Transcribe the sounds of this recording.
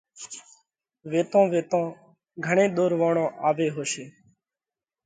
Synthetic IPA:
ʋeːt̪õːʋeːt̪õː | ɡʱəɳẽːɗ̪oːɾʋãːɳõːʔaːʋeːɦoːʃeː

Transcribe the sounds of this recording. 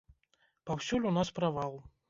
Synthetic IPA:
pawsʲulʲunaspɾavalˠ

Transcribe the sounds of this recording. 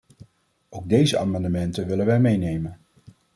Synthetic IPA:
owɡ̚dejzəʔa̰ːmɑndəmɛntənʋɪlənʋɛmejnejmən

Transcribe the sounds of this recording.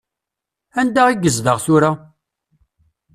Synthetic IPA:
ænd̪aʁiɡəzðəʁθʊɾa

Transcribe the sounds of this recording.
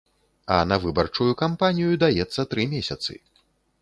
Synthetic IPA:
ɐ̰nɐvɨbɐrt͡ʂujukampanʲijud̪ajɛt̪sːɐt̪ɾɨmʲesʲɐt̪sɨ̰

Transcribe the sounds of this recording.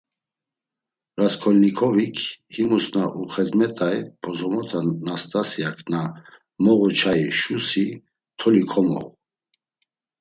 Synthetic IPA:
raskʰɔlnikʰɔvikʰhimusnaʔuχɛzmɛt̪ʼajpʰʼɔzɔmɔt̪ʰanast̪ʼasiakʰna | mɔʁut͡ʃʰaiʃusi | t̪ʰɔlikʰɔmɔ̰ʁ

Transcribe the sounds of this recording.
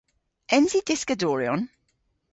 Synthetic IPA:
ɛ̃nzid̥ɪskədɔːɹiɔ̃n

